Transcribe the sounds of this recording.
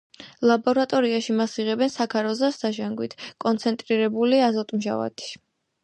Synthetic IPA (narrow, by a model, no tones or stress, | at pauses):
lˠabɔɾat̪ʼɔɾiaʃimasiʁɛbɛnsakʰaɾɔzasd̪aʒaŋɡwit̪ʰkʼɔnt̪sʰɛnt̪ʼɾiɾɛbuliazɔt̪ʼmʒa̰va̰t̪ʰi̥